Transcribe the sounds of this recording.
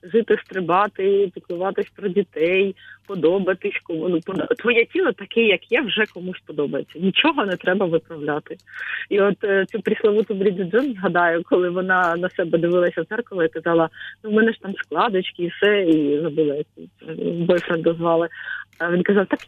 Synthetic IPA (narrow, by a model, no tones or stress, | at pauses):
ʐɪt̪ɪst̪ɾɪbɑt̪ɪpʲɪk̪lˠʊʋɑt̪ɪsʲpɾɔdʲit̪ɛjpɔd̪ɔbɐt̪ɪsʲkɔmunupɔt̪ʋɔjɛtʲilˠɔt̪ɐkɛjɐkjɛʋʒɛkɔmuʃʲpɔd̪ɔbɐjet͡sʲːɐnʲit͡ʃɔɦɔnɛt̪ɾɛbɐʋɪpɾɐʋlʲat̪ɪiɔt̪t͡sʲupɾʲislˠɐʋut̪ubɾʲid̪ɪd͡zɔnzɦɐd̪ɑjʊkɔlˠɪʋɔnɑnɐsɛbɛd̪ɪʋɪlˠɐsʲɐɛrkʊlˠɐikɐzɑlˠɐnumɛnɛʒ̥t̪ɑmsklˠɑd̪ɐt͡ʃkɪːfsɛizɐbulˠɐjɐkibɔjfɾɐnd̪ɐzʋɑlˠɪʋʲinkɐzɑʋt̪ɑk